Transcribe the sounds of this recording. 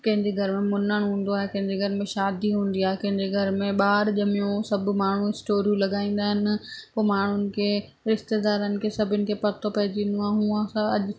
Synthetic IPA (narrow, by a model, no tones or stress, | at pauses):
kɐ̃ɦɪ̃ɲd͡ʑeɡʱɐɾɪmẽmʊnəɽ̃ɦũːn̆d̪oaːɦekɐ̃ɦɪ̃ɲd͡ʑeɡʱɐɾɪmẽʃaːd̪iɦũːn̆d̪iaːɦekɐ̃ɦɪ̃ɲd͡ʑeɡʱɐɾmẽɓaːɾʄɐmijũsɐb̆ʱmaːɳ̤uɪsʈoːɾijũlɐɠaːĩːn̆d̪aːɦɪnɪ̆poːmaːɳ̤ʊnɪ̆kʰeː | ɾɪʃt̪ed̪aːɾənɪ̆kʰeːsɐbʱɪnɪ̆kʰepɐt̪ʰopɐɦɪd͡ʑĩːn̆d̪oaːɦɦũːə̃sãɐʄʊ